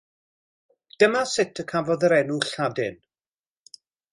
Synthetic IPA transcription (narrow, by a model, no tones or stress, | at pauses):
d̥əmasɪtʰəkʰavɔðəɾɛnuɬadɪn